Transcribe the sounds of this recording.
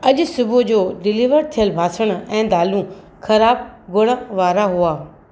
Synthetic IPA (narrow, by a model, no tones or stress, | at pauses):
ɐʄʊsʊbʱʊd͡ʑoːɖɪliːʋəɾt̪ʰijəlbʱaːsəɽ̃ʊɛ̃ːd̪aːlũ | xʰɐɾaːb̚ɡʊɽ̃əʋaːɾaɦuaː